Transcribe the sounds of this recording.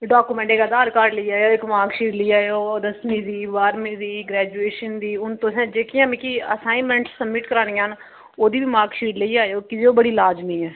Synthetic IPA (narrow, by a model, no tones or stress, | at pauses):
ɖaːkuːmɛ̃ɳʈeːkad̪aːɾkaːɾɖləiːaːjoːɪkmaːɾkʃiːɖləiːaːjoːd̪əsnĩːd̪iːʋaːɾmĩːd̪iːɡɾɛːd͡ʒueːʃənd̪iːʊnt̪ʊsɛ̃ːd͡ʒeːkʰɪjãːmĩːkiə̰saːimɛ̃ːɳʈsːəbːɪʈkəɾaːnijãːɦən | oːd̪iːʋiːmaːkʃiːɖləiːaːjoːkɪd͡ʒeoːbəɽiːlaːd͡ʒmĩːɛː